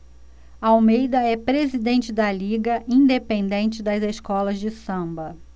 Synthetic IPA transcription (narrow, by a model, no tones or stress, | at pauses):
awmejd̪ɐɛpɾezid̪ẽnt͡ʃɪd̪ɐliɡɐʔĩnd̪epẽnd̪ẽnt͡ʃɪd̪ɐzeskɔlɐzd͡ʒɪsɐ̃bɐ